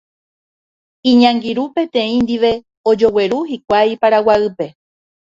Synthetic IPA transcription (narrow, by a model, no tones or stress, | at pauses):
ĩɲãŋɡiɾupe̞t̪ẽ̞ĩnd̪iʋe̞ | od͡ʒo̞we̞ɾuɦik̚ʷajpaɾawaɨpe